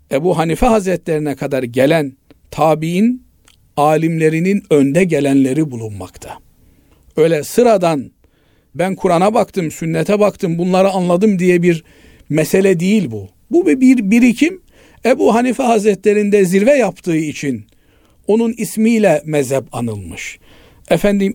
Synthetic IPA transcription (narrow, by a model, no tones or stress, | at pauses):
ebuːɦanifɛɦazɾɛt̪ʰlʲeɾinɛkʰad̪aɾɟelʲæn | t̪ʰaːbijin | aːlʲimlʲe̞ɾininø̞nd̪ɛɟelʲænlʲeɾibulˠunma̰kt̪ʰḁ | ø̞jlʲɛsɯɾad̪an | bænkʰuɾanabakt̪ʰɯmsynːɛt̪ʰɛbakt̪ʰɯmbunlˠaɾɯanlˠad̪ɯmd̪ijɛbiɾ | mɛselʲɛd̪ejilʲbu | bubibiɾbiɾicʰim | ɛbuɦanifɛɦazɾɛt̪ʰlʲeɾind̪ɛziɾvɛjapt̪ʰɯːɯit͡ʃʰin | o̞nunismiːlʲɛmɛzɦɛbanɯlˠmɯʃ | ɛfænd̪im